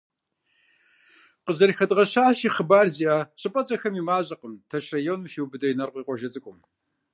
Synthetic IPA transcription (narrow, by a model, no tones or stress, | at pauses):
qəzɐrxɐdʼʁɐɕaːʃiːχəbaːrziaːɕʼɨpʼɐt͡sʼɐxɐmiːmaːɕʼɐqəmtʰɐʃrajoːnumʃiwbɨdɐjnɐrqʷʼiːqʷʼɔʒɐt͡sʼɨkʷʼʊm